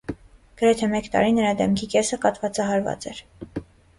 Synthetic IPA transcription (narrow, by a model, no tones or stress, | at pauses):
ɡ̥əɾɛt̪ʰɛmɛkt̪ɑ̰ɾinəɾɑd̪ɛmkʰikɛsəkɑt̪vɑt͡sɑɦɑɾvɑ̰t͡sɛɾ